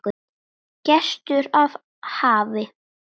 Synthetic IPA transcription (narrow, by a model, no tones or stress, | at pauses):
ʏ | cɛst̪ʏɾav | haːvɪ